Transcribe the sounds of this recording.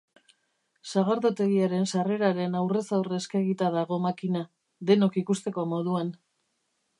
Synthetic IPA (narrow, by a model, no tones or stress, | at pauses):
saɣ̞aɾðot̪e̞ɣiaɾe̞nsare̞ɾaɾe̞nawre̞sawreskaɣit̪aðaɣ̞o̞makina | ðe̞no̞kikust̪e̞ko̞mo̞ðuan